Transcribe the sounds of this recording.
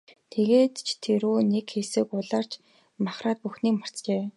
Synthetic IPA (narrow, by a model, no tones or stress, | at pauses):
t̪ʰeɣeːt̪t͡ɕʰt̪ʰːeɾuːnekxesɘ̆kʊɮaːr̥t͡ɕ | maχraːt̪̚puxniːkmar̥t͡st͡ɕeː